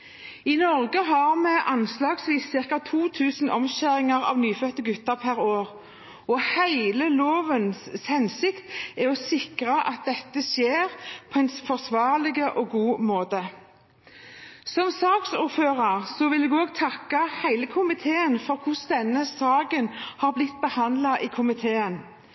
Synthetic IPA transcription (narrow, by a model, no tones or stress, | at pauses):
ɪnɔʁɡəɦɑʁmɛʔɑnslɑːɡsʋiːsːɪʁkɑt̪ʰuːt̪ʰʉːsn̩ʔɔmɕæʁɪŋɑʁɑ̰ːʋnyːfœt̪əɡʉt̪əʁpʰæʁoːʁ | ɔhæɪləloːʋənshɛnsɪkt̪æɔsɪkʁɑʔɑt̪̚d̪ɛt̪ːəsjeːʁpʰɔɛnfɔʁsʋɑːʁlɪɡəʔɔɡuːmoːt̪ə | sɔmsɑːksuːɾføːʁɑʁsɔʋɪlɛɡoːɡ̚t̪ʰɑkːəhæɪləkʰʊmɪt̪ʰeːənfɔʁkʰʊsd̪ɛnːəsɑːɡənhɑʁblɪt̪̚ːbəhɑnd̪lɑʔɪkʰʊmɪt̪ʰeːən